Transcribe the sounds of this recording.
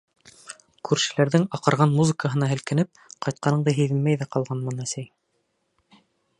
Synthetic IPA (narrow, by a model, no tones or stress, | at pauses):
kʰʉɾʃɘ̆læɾðɘŋɑqɤ̆ɾʁɑnmuzɤ̆kəɦɤ̆nɑɦɘ̆lkɘ̆nɘp̚qɑjt̪̚qɑnɤ̆ɴd̪ɤɦiðɘnmæjðæqɑlˠʁɑnmɑnæsæj